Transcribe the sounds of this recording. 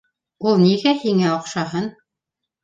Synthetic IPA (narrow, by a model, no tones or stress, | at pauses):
ulˠniɣæhiŋæoqʃɑɦɤn